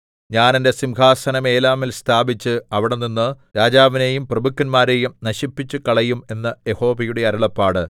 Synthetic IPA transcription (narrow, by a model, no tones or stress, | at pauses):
ɲaːnende̞simɡaːsɐnɐme̞ːlaːmilst̪ʰaːbit͡ɕːɨɐʋiɽenːinːɨɾaːd͡ʑaːʋine̞jumprɐbukːɐnmaːɾe̞jumnɐɕipːit͡ɕːukɐɭɐjume̞nːɐje̞ho̞ːbɐjuɽe̞ɐɾuɭɐpːaːɽɨ